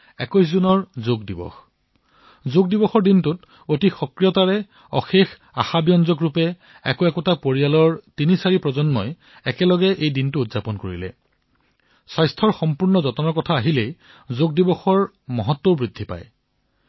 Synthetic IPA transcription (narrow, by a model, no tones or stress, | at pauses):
ɛkɔjs̬zunɔɹzoɡdibɔ̰x | zoɡ̚dibɔxɔɹdintʊt | otixɔkɹijɔtaɹɛ | ɔ̰xex | a̰xabijɔnzɔkɹupɛ | ɛkɔɛkɔtapoɹijalɔɹtinisaɹipɹɔzɔnmɔj | ɛkɛlɔɡɛʔejdintʊːdz̥apɔnko̰ɹḭlɛ̰ | sajstʰɔɹxɔmpuɹnɔzɔtɔnɔɹkɔtʰaːɦilej | zoɡ̚dibɔxɔɹ | mɔɦɔtːɔbɹidʱːipa̰j